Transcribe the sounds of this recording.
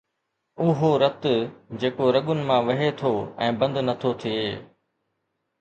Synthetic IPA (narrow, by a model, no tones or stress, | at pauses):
ʊɦoɾɐt̪ʊd͡ʑeːkoɾɐɠʊnɪ̆mãːʋɐɦet̪ʰoɛ̃ːbɐ̃nd̪nɐt̪ʰot̪ʰieː